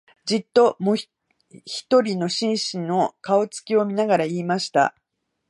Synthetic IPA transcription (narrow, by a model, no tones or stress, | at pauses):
d͡ʑit̪ːo̞mo | çi̥t̪o̞ɾʲino̞ɕĩɰ̃ɕĩno̞kaot͡sɨ̥kʲio̞mʲinaɡaɾaiːmaɕi̥t̪a̰